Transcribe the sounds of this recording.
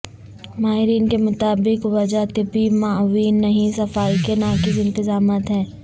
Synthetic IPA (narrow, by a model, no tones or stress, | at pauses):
maːɦɪɾiːnkemʊt̪aːbɪkʋɐd͡ʒat̪ɪbimaːʋiːnːɐɦĩsɐfaːikenaːkɪzɪ̃nt̪ɪzaːmaːt̪ɦɛ̃ː